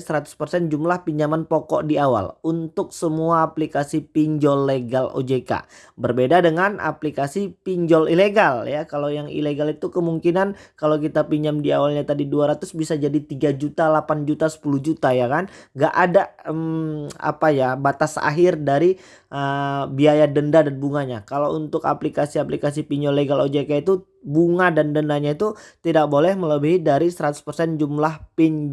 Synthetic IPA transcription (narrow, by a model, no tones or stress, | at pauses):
səɾat̪ʊ̥spərsɛnd͡ʒumlahpiɲd͡ʒamanpɔkɔ̰ʔdiawa̰lunt̪ʊk̚səmuaːplikasipiɲd͡ʒɔlːeɡalo̰d͡ʒeka̰ | bərbedadəŋana̰plikasipiɲd͡ʒɔlileɡaljakalojaŋḭleɡalit̪ukəmuŋkinankalawkit̪apiɲd͡ʒamdiawalɲat̪adiduaɾat̪ʊsbisad͡ʒadit̪iɡad͡ʒut̪alapand͡ʒut̪asə̥puluhd͡ʒut̪ajakanŋɡaʔadaəma̰pajabat̪asa̰ɦɪrdaɾi | əbiajadəndadanbuŋaɲakalount̪ʊka̰plikasiaplikas̬ipiɲɔleɡalod͡ʒekait̪u | buŋadandəndaɲait̪ut̪idak̚bolɛhmələbiɦidaɾisəɾat̪ʊ̥spərsɛnd͡ʒumlahpiɲ